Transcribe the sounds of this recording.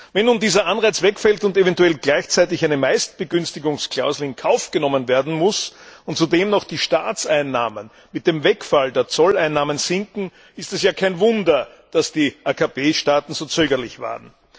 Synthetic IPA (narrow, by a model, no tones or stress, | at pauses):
vɛnːuːndiːzɐʔanʁaɪt͡svɛkfɛltʊntevɛntuɛlɡlæɪçt͡sæɪt̬ɪçæɪnəmæɪst̚b̥əɡʏnstɪɡʊŋskʰl̥a̰ʊzl̩ɪnkʰaʊfɡ̥ənɔmənveːɐdn̩mʊsʊntt͡sudeːmnɔχd̥iːʃtaːt͡sæɪnːaːmən | mɪt̚d̥eːmvɛkfaldeːɐt͡sɔlæɪnːaːmənzɪŋkŋ̩ | ɪstɛsjaːkʰæɪnvʊndɐ | d̥asd̥iːʔaːkʰapeːʃtaːtn̩zoːt͡søːɡɐlɪçva̰ːʁən̩